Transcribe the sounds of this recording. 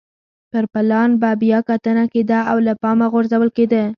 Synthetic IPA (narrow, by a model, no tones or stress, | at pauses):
pəɾpɪlɑnbabijɑkat̪ənaked̪aawlapɑmaɣoɾzawəlked̪ə